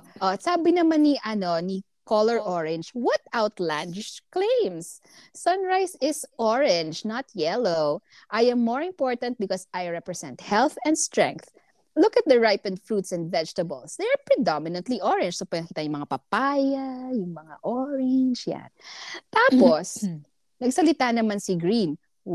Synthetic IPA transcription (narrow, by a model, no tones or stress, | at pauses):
ʔosaːbɪnɐmanːiʔɐnoni | kolɛɹʔɔɹɛ̃nd͡ʒwɐt̪̚awt̪lãnd̪ɪklẽjmsː | ɐ̃nɹajsɪsʔɔɹɛ̃nd͡ʒnɐt̪ʰjɛlow | ʔajɐ̃mːɔɹɪ̃mpoɹt̪ɐnt̪̚bɪkɔsajɹɛpɹɛsɛ̰̃nt̪̚hɛlθɛ̃nd̪st̪ɹɛ̰̃ŋk̚θ | lʊkɐt̪̚d̪ɐɹajpɛ̃nd̪fɹuːt̪sɛ̃nd̪vɛd͡ʒt̪ɐbɐ̰lsd̪ɛɐɹpɹɛd̪amɪnɐ̃nt̪liʔɔɹɛ̃nd͡ʒsopwɛnɐkiːt̪ɐjʊ̃ŋmɐŋapɐpajajʊŋmɐŋa̰ʔɔɹɛnd͡ʒja̰nt̪aːpos | nɐɡsɐlɪt̪anɐmansiɡɹin